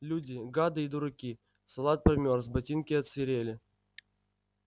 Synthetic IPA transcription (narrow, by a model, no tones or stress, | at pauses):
lʲudʲɪɡad̪ɨid̪ʊɾɐkʲi | sɐlˠat̪̚pɾʲɪmʲorzbɐtʲinkʲɪɐt̪sʲɪɾʲelʲɪ